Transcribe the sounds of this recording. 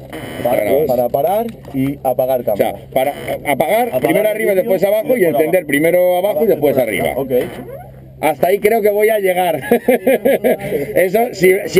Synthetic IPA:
a̰ɾa̰paɾapaɾaɾ | iapaɣaɾk̪asḛa̰paɾa̰apaɣaɾpɾime̞ɾoariβaðepwe̞saβaxoie̞nθe̞nd̪e̞ɾpɾime̞ɾoaβaxoðe̞spwe̞sarḭβa̰okej | ast̪aikɾe̞oke̞βo̞jaʎe̞ɣ̞aɾ | esosis

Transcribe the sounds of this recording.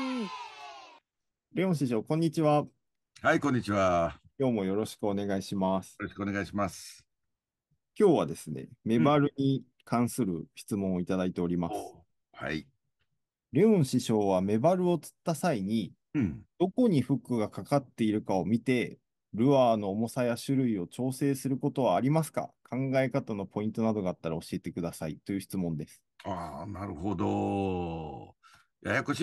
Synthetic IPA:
ɾe̞õɕiɕo̞ːkõ̞ɲ̟ːit͡ɕiβa | hajkõɲ̟ːit͡ɕiβakʲo̞ːmo̞jo̞ɾo̞ɕi̥kɯo̞ne̞ɡaiɕimasɨ̥oɕi̥kɯoneɡaiɕimasɨ̥ | kʲo̞ːβad̪e̞sɨne̞̰me̞baɾɯ̟ɲ̟i | kãɰ̃sɨɾɯ̟çi̥t͡sɨmõ̞ɰ̃o̞it̪ad̪ait̪e̞o̞ɾʲimasɨ̥ | ha̰i | ɾe̞õɰ̃ɕiɕo̞ːβame̞baɾɯ̟o̞t͡sɨ̥t̪ːasaiɲ̟i | d̪̥o̞ko̞ɲ̟iɸɯ̟kːɯ̟ɡakakat̪ːe̞iɾɯ̟kao̞mʲit̪e̞ | ɾɯ̟βaːno̞ːmo̞sajaɕɨɾɯ̟io̞t͡ɕo̞ːse̞ːsɨɾɯ̟ko̞t̪o̞β̞aːɾʲimasɨ̥ka̰kʰãŋɡae̞kat̪ano̞pʰo̞ĩnt̪o̞nad̪o̞ɡaːt̪ːaɾao̞ɕie̞t̪e̞kɯ̟d̪asait̪ːo̞jɯ̟çi̥t͡sɨmõ̞nd̪e̞sɨ̥anaɾɯ̟hod̪o | ja̰jakoɕ

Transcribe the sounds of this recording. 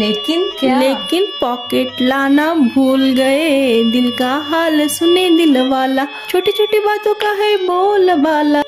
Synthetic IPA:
leːkɪnleːkɪnpaːkeːʈlaːnabʱuːlɡɐed̪ɪlkaɦaːlsʊned̪ɪlʋaːla | t͡ʃʰoːʈit͡ʃʰoːʈibaːt̪õkaɦɛboːlbaːla

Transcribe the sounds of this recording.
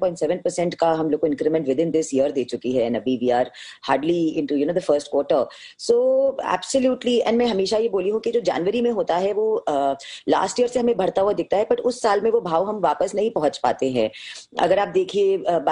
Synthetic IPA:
pɔ̃ɪ̃ʈsɛːʋə̃n̚pəɾsɛ̃ɳʈkaɦɐmloːkõɪ̃nkɾimɛ̃ɳʈʋɪd̪ɪ̃nd̪ɪsjiəɾd̪eːt͡ʃʊkiɦɛnɐbiʋiːaːɾ | haːɾɖliɪ̃ɳʈujunoːd̪əfəɾsʈkwɔːʈəɾ | soːɛ̰ːbsəljuːʈliɛ̰̃nɖmɛ̃ɦɐmeːʃajeboːliɦũkid͡ʒoːd͡ʒa̰ːnʋəɾimẽɦoːt̪aɦɛʋo | la̰ːsʈiəɾseɦɐmẽbʱɐɽt̪aɦuad̪ɪk̚t̪aɦɛpɐʈʊsːaːlmẽʋobʱaːʋɦɐmʋaːpəsnɐɦĩpɐɦʊ̃t͡ʃpa̰ːt̪eɦɛ̃ɐ̰ɡəɾaːp̚d̪eːkʰieb

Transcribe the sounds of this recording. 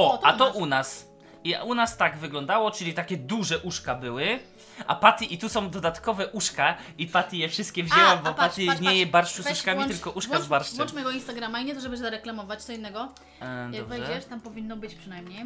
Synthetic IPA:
ɔat̪ɔʔunas | ia̰unast̪aɡvɘɡlɔnd̪awɔt͡ʂɘlʲit̪akʲɛd̪uʐɛʔuʂkabɘwɘ | ʔa̰pat̪ʲiʔit̪usɔ̃w̃d̪ɔd̪at̪kɔvɛʔuʂka | ipat̪ʲijɛfʂɘst̪kʲɛvʑɛwabɔpat̪iɲɛjɛbaɾʂt͡ʃusuʂkamʲiɘlkɔʔuʂkkazbaɾʂɔnt͡ʂmjɛɡɔinst̪aɡɾamaiɲɛt̪ɔʐɛbɨzaɾɛklamɔvat͡ɕt̪sɔinːɛɡɔ | daɔbvɛʐjɛɛʂt̪ampɔvʲinːɔbɘt͡ɕpʂɨnajmɲej

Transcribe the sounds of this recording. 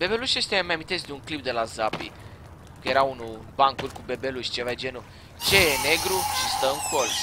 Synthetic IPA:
b̥e̞be̞luʃjest̪emajamint̪e̞sd̪euŋklip̚d̪e̞lazapḭ | kəje̞ɾaunubaŋkulʲkube̞beluʃʲt͡ʃevajd͡ʒe̞nu | t͡ʃe̞jene̞ɡɾuʃist̪əɨŋkʰol

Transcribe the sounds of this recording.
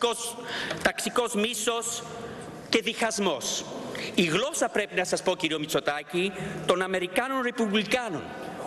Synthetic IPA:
ost̪aksikozmisos | ceðixazmos | iɣlosapɾepinasaspokiɾiomit͡sot̪acit̪onameɾikanonrepuβlikano̰n

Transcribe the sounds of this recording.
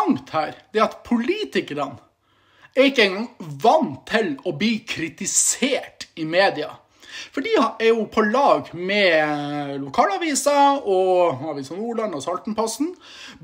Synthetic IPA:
ŋt̪hæːɾd̪ɛɑt̪pʰʊliːt̪ɪkəɾən | æɾɪkːəɛŋɡɑŋʋɑnt̪ʰːɪlɔbliːkʰɾɪt̪ɪseːʈɪmeːd̪ɪɑ̰ | fɔɖiːæɾjʊpʰɔlɑːɡmɛ | lʊkʰɑːlɑʋiːsɑɔɑʋiːsɔmnuːɭɑnɔsɑlt̪n̩pʰɔsn

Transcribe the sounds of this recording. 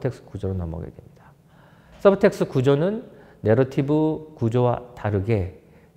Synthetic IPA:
tʰe̞k̚s͈ʰɯ̥kud͡ʑoɾonʌ̰mʌ̰ɡe̞̰dwe̞̰mɲid̥a | s͈ʌbɯtʰe̞k̚s͈ʰɯkud͡ʑonɯnː | e̞ɾʌtʰibɯkud͡ʑowa̰taɾɯɡe̞

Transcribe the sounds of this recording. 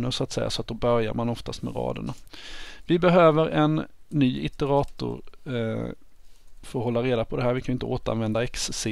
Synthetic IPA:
nəɾʂʊat̪sɛ̰jːa̰sɔat̪̚d̪ɔbœɾja̰ɾmanɔft̪ast̪mɛ̰ɾɑ̰ːd̪ə̰ɳavɪbɛɦøːvəɾɛnː | yːɪt̪ɛɾɑːt̪ʊ̰ɾ | fɾɔɦɔlːaɾeːd̪apʰɔd̪ɛɦæːɾvɪkʰanjʏɪnt̪əoːt̪əɾa̰nvɛnd̪aɛksːɪ

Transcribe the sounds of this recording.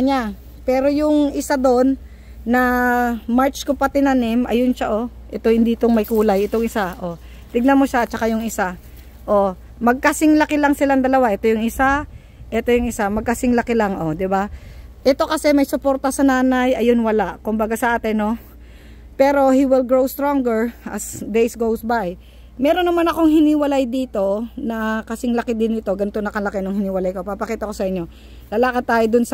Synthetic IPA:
ɐɲa | pɛːɾo̞jʊŋʔɪsad̪o̞nː | ɐmaɹt͡ʃkopɐt̪ɪnanɪmʔɐ̰jonʃaʔo̞ʔɛt̪ohɪnd̪iːt̪oŋmɐjkuːlɐjɪt̪o̞ŋɪsaʔo | t̪ɪɡ̚nɐmo̞ʃaɐt̪̚t͡ʃɐkajʊŋɪsa | ʔo̞ | mɐɡ̚kɐsɪŋlɐkɪlɐŋsɪlaŋd̪ɐlɐwaʔɛt̪o̞jʊŋɪsa | ʔɛt̪o̞jʊŋɪsamɐɡ̚kɐsɪŋlɐkɪlaŋʔo̞d̪ɪbaʔɛt̪o̞kɐsɛmɐjsʊpo̞ːɾt̪ɐsɐnaːnajʔɐjonwɐlaʔkʊmbɐɡasɐʔaːt̪ɪno̞ | pɛːɾo̞hiwɪlɡɹowst̪ɾoŋɡɛɹʔɐ̰sd̪ejsɡowsbaj | mɛːɾo̞nːɐmanɐkoŋɦɪniwɐlajd̪iːt̪o̞nɐkɐsɪŋlɐkɪd̪ɪnɪt̪o̞ɡɐnt̪o̞nɐkɐlɐkɪnʊŋhɪniwɐlajko̞pɐpɐkiːt̪ɐko̞sɐʔɪɲːo | lɐlaːkɐd̪̚t̪ːaːjod̪ʊns

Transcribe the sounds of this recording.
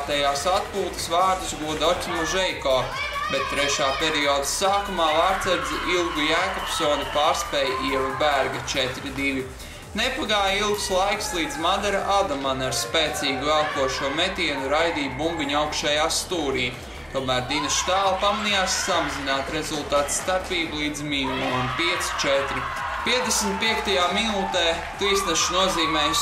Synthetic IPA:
t̪ɛjaːsat̪̚puːt̪ɨ̥svaːɾd̪usɡuɔd̪ɔt̪ʲimuʒɛjkɔː | bɛt̪̚ːɾɛʃaːpʲeɾiɔːd̪asaːkumaːvaɾt̪sɛɾd̪ziʔilˠɡujæːkɔpsɔːnupaːɾspɛːjʔiɛvubæɾɡɐt͡ʃɛt̪ɾid̪ilʲi | nepaɡaːjilˠɡslˠajkslˠiːd̪zmad̪ɛɾaʔad̪amanaɾspɛːt̪siːɡivɛlˠk̪uɔʃuɔmɛt̪ʲiɛnuɾajd̪iːbumbiɲʲawkʃajaːst̪uːɾiːj | t̪uɔmæːɾd̪iːnast̪æːlˠpamanijaːsːamazinaːt̪ɾezulˠt̪aːt̪sːt̪aɾpiːbulˠiːd̪zmiːlˠunpiɛt̪si̥t͡ʃɛt̪ɾi | piɛd̪esm̩t̪̚piɛkt̪ajaːminuːt̪ɛː | t̪iːsnɛʃunuɔziːmɛːj

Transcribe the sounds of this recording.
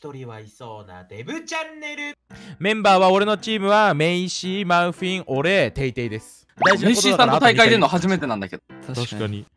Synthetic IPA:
ç̥t̪o̞ɾʲiβaiso̞ːna̰d̪e̞bɯ̟t͡ɕanːe̞ɾɯ̟mẽ̞mbaːβao̞ɾe̞no̞t͡ɕiːmɯ̟βamẽ̞ĩɕiːmaɯ̟̃ɸĩŋʔo̞ɾe̞ːt̪e̞it̪e̞id̪e̞sɨ̥ | d̪aiʑiẽkooiːasãoat̪aikaid̪eɯnoahaʑime̞t̪enãnd̪aked̪ot̪aɕkaɲ̟i

